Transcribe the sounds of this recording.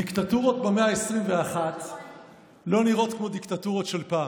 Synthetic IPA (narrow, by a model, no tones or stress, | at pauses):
dikt̪at̪uʁo̞t̪̚beme̞aesʁimveaχat̪ | lo̞niʁo̞t̪kmo̞d̪ikt̪atuʁo̞t̪ʃe̞lpaː